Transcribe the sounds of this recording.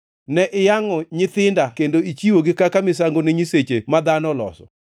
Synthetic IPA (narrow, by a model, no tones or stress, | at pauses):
nɛʔɪjaŋɔɲɪt̪ɪndakendoit͡ʃiwoɡɪkakamɪs̬aŋɡonɪɲiset͡ʃemad̪anɔlɔ̰sɔ̰